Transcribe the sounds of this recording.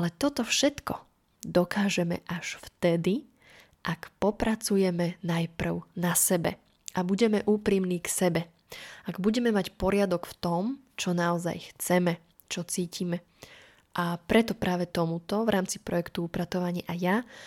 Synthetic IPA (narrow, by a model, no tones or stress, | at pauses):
alɛt̪ɔt̪ɔfʃɛt̪kɔ | d̪ɔkaːʒɛmɛ̰ʔaʃft̪ɛd̪i | ʔakpɔpɾat͡sujɛmɛnajpr̩ʊnasɛbɛ̰ | ʔabuɟɛmɛʔuːpɾiːmniːksɛbɛ | ʔaɡbuɟɛmɛmacpɔɾɪad̪ɔkft̪ɔm | t͡ʃɔnaɔza̰jxt͡sɛmɛ | t͡ʃɔt͡siːcimɛ | ʔapɾɛt̪ɔpɾaːʋɛt̪ɔmut̪ɔʋɾʔaːmt͡sipɾɔjɛkt̪uupɾat̪ɔʋaɲɪʔaja